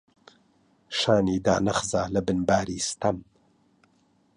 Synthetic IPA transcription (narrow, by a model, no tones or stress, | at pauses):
ʃaːniːd̪a̰ːnɐχzaːlɐbɨnbaːɾiːst̪ɐm